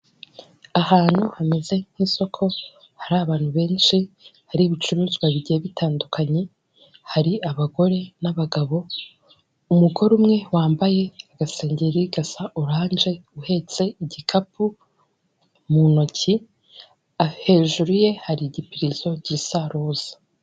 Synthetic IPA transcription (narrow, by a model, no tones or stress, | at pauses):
ahaːn̥huhameze̞n̥hiso̞kʰo̞ | haɾaβaːn̥huβe̞ːnʃihaɾiβit͡ʃuɾuːzɡwaβiɟieβitaːndukʰaɲe̞ | haɾiaβaɡo̞ɾe̞naβaɡaβo̞ | umuɡo̞ɾumŋe̞waːmbaje̞aɡaseːɲɟeɾiɡasaʔuɾaːnd͡ʒe̞uhe̞t͡se̞iɟikʰapu | muno̞ci | ahe̞ːʒuɾuje̞haɾiɟipiɾizo̞ɟisaɾoːz̥ḁ